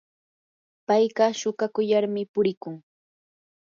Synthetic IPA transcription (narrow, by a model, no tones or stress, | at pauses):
pajɢɑʃʊkakʊjaɾmɪpʊɾɪkʊŋ